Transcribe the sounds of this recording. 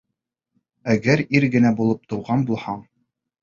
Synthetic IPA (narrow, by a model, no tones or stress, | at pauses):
æɡæɾiɾɡɘ̆næbulˠɤp̚t̪ɤ̆wʁɑnbulˠhɑɴ